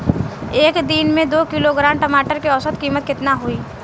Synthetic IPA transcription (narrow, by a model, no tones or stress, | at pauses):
eːkd̪inmẽd̪oːkɪloɡɾaːmʈɐmaːʈəɾkiɔsət̪kiːmət̪̚kɪt̪naɦuiː